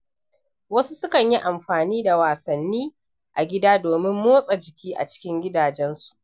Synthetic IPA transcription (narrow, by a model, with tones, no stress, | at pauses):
wɐ˦su˦sʊ˦kɐ˨ɲji˦ʔa˨mɸaː˨niː˦da˨waː˨sɐ˨nːiː˦ | ʔa˨ɡʲɪ˦daː˦doː˨mɪ˦mːoː˦sʼa˨d͡ʒɪ˨kʲiː˦ʔa̰˨t͡ʃɪ̥˦kʲɪ˦ŋɡʲɪ˦daː˨d͡ʒɛ˦nsu̥˨ʔ